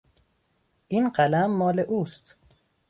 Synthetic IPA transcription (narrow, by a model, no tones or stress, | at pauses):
ʔiːnɢælæmːɒːleʔuːst̪